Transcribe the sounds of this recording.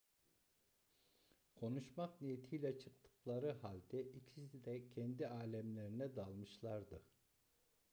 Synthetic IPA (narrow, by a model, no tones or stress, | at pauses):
kʰo̞nuʃmaknijet̪ʰijlʲɛt͡ʃʰɯk̚t̪ʰɯ̥klˠaɾɯɦalʲd̪ɛʔicʰisid̪ɛcʰɛnd̪iaːlʲæmlʲeɾinɛd̪alˠmɯʃlˠaɾd̪ɯ